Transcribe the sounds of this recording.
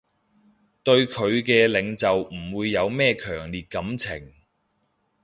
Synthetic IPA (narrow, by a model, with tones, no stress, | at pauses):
t̪ɵ˧ɥkʰɵ˨˧ɥkɛː˧lɪ˨˧ŋt͡sɐ˨wm̩˨˩wuː˨˧jːɐ˨˧wmɛː˥˧kʰœː˨˩ŋliː˨t̚kɐ˨˥mt͡sʰɪ̰˨˩ŋ